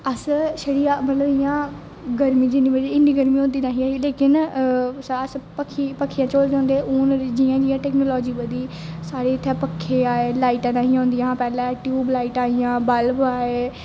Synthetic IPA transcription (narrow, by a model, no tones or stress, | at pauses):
əsʃəɽiːãːmət̪ləbɪjãː | ɡəɾmĩːd͡ʒɪniːbəd͡ʒeːɪnːiːɡəɾmĩːõnd̪iːnaːɦiːaːiːleːkɪnsəspəkʰːiːpəkʰːiːãːt͡ʃoːld͡ʒãːnd̪eːʔʊːnɾd͡ʒiːãːd͡ʒiːjãːʈɛːknoːlɔːd͡ʒiːbəd̪iːsaːɽeːt̪ʰːɛːpəkʰːeːaːeːlaːiːʈãːnãːɦĩːãõʊːnd̪ijããːpɛːlãːʈjuuːblaːiːʈaːiːjãːbəlbaːeː